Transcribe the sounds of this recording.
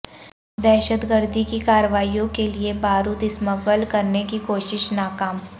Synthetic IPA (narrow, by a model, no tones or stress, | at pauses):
d̪ɛːʃət̪ɡəɾd̪ʱikikaːɾəʋaːijõkeliebaːɾud̪ɪsməɡəlkɐɾnekikoːʃɪʃnaːkaːm